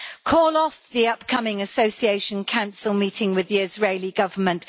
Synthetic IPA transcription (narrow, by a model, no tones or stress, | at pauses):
kʰɔːlɒfðiʌpkʰʌmɪ̃ŋəsəʊsieɪʃə̃nkʰãʊ̃nsəlˠmiˑtʰɪ̃ŋwɪðiɪzɹeɪliɡʌvəmə̃nʔ